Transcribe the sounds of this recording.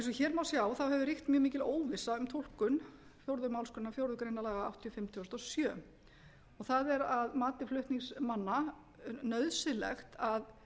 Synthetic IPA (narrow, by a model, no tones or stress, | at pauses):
ɛnsɔçɛːɾmawsjawθawɦɛvʏɾixt̪mjœːmiːcɪloːwvɪsːaʏmt̪ʰol̥kʏnfjowɾðʏmawlskʏnːafjowɾðʏkɾeːjnalaːɣaa̰wt̪ʰjɔfɪmt̪ʰɔst̪ɔsjœː | ɔɣθaðɛɾaðmaːt̪ɪflʏht̪niŋsmanːa | nœðsɪlɛ̰xt̪að